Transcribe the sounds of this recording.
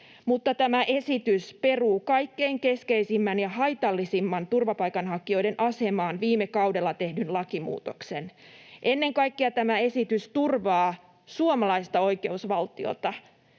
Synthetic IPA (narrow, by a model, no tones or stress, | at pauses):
mut̪ːɑt̪æmæʔe̞sit̪yspe̞ruːkɑjkːe̞iŋke̞skeisimːænjɑɦɑjt̪ɑlːisimːɑnt̪urʋɑpɑjkɑnɦɑkːˑio̞jdenʔɑse̞mɑːnʋiːmekɑude̞lːɑt̪e̞hdynlɑkimṵːt̪o̞kse̞n | ʔenːe̞ŋkɑjkːiɑt̪æmæe̞sit̪yst̪urʋɑː | suomɑlɑist̪ɑo̞jke̞usʋɑlt̪io̰t̪ɑ